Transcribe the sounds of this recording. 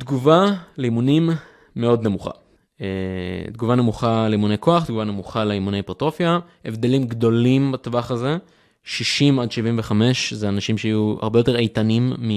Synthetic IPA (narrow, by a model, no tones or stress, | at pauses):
d̪ɡuvaleimunimː | eo̞d̪nemuχa̰ | ed̪ɡuvanemuχaleimune̞jko̞aχd̪ɡuvanemuχaleimunepeʁt̪ʁo̞fjaʔevd̪e̞limɡd̪o̞limbat̪vaχaze̞ | ʃiʃimad̪ʃivimveχame̞ʃzeanaʃimʃeajua̰ʁbejo̞t̪e̞ʁejt̪animːi